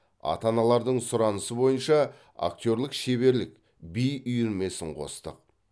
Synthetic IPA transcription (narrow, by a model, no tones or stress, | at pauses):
ɑ̰t̪ɑnɑlˠɑɾd̪əɴsʊɾɑnəsəbo̞jənʃɑ | a̰k̚t̪ʲo̞ɾlˠɪkʃe̞βe̞ɾlɪk | bijʏjʏɾme̞sɪɴqʰo̞̰st̪ə̰q̚